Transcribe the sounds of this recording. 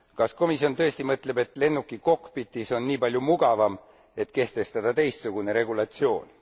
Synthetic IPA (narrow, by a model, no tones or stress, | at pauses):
kɑsko̞misjo̞nt̪ɤ̞est̪imɤt̪ˑle̞be̞t̪ˑle̞nːukːˑiko̞kːˑpit̪ːˑiso̞nːiːpɑlʲjumuɡ̥ɑvɑm | e̞t̪ke̞ht̪e̞st̪ɑd̪̥ɑt̪e̞jst̪suɡ̥une̞ɾe̞ɡulɑt̪sio̞̰ːn